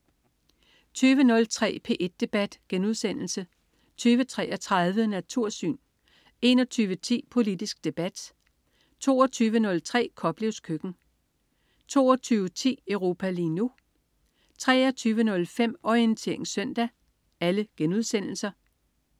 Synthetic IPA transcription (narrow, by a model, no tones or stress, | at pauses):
t͡sʰyːʋənɔ̽lt͡sʰʁɛ̰ːpʰe̝ːʔe̝d̥̚ːe̝b̥æd̥ɡ̥enuð̞̰ˠsen̰l̩sə | t͡sʰyːʋət͡sʰʁɛ̰ːʔɒt͡sʰʁaðˠʋənæt͡sʰuɐ̰sy̰ːn | e̝nɒ̽t͡sʰyːʋət͡sʰḭːpʰo̝lid̥isɡ̥d̥e̝b̥æd̥ | t͡sʰo̝̰ːɒt͡sʰyːʋənɔ̽lt͡sʰʁɛ̰ːkʰɒ̽b̥le̝ʊskʰøɡ̥n̩ | t͡sʰo̝̰ːɒt͡sʰyːʋət͡sʰḭːœʊʁo̝ːpʰæliːnu | t͡sʰʁɛ̰ːɐt͡sʰyːʋənɔ̽lfem̰ɒient͡sʰe̝̰ɐ̰e̝ŋsœn̰d̥æ | æləɡ̥enuðˠsen̰l̩sɐ